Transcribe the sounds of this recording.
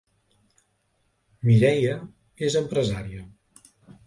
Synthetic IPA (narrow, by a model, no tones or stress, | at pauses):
miɾɛjə | ezəmpɾəzaɾiə